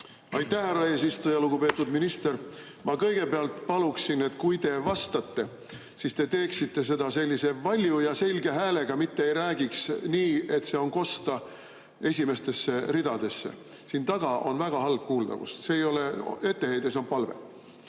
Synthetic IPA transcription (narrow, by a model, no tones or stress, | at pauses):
ɑjt̪ːˑæhhærɑe̞ːsist̪ujɑluɡ̥upe̞ːt̪ːˑud̪minist̪er | mɑkɤ̞jɡ̥e̞peɑlt̪ˑpɑluksine̞t̪ːˑkujt̪e̞vɑst̪ɑt̪ːe̞ | sist̪e̞t̪e̞ːksit̪ːe̞s̬e̞d̪ɑse̞lʲːise̞vɑlʲjujɑse̞lʲɡe̞ɦæːle̞ɡ̥ɑmit̪ːeejɾæːɡiksniːe̞t̪ˑse̞o̞nko̞st̪ɑ | e̞sʲime̞st̪e̞sːe̞rid̪ɑd̪e̞sːe̞̰ | sint̪ɑɡ̥ɑʔo̞̰nvæɡ̥ɑhɑlb̥̚kuːld̪ɑ̰vṵst̪seːjo̞lee̞t̪ːe̞he̞jd̪eso̞npɑlve̞̰